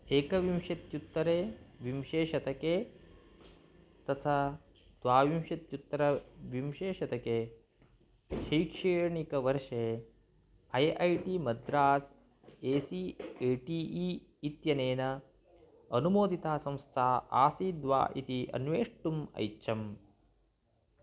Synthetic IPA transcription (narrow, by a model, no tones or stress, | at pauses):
eːkɐʋimʃɐt̪jut̪ːɐɾeːʋimʃeːʃɐt̪ɐkeː | t̪ɐt̪ʰaː | d̪̥ʋaːʋimʃɐt̪jut̪ːɾɐʋimʃeːʃɐt̪ɐkeː | ʃijkʂeɳikɐʋɐɾʂe | ɐjʔɐjʈimɐd̪ɾaːs | eːsieːʈiːiː | t̪jɐneːnɐ | ɐnumoːd̪ʱit̪aːsɐ̃mst̪ʰaːa̰ːsiːd̪ʋa̰ːʔit̪iʔɐ̰nʋeːʂʈumɐ̰jːt͡ʃʰɐm